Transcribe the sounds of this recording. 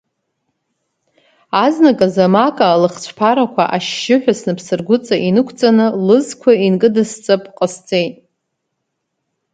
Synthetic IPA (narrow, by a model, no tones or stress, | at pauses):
aznakʼazamakʼaːlɨχt͡ɕʷʰpʰaɾakʷʰa̰ʔaʃːɪħʷᶣasnɨpʰsɨrɡʷʊt͡sʼaʔinɨkʷʰt͡sʼanɨlɨzkʷʰainkʼɨdɨst͡sʼɨpʼqʼəst͡sʼejtʼ